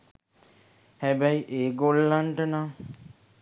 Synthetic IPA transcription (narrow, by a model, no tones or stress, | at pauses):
hæbæjiʔeːɡolːaɳʈəna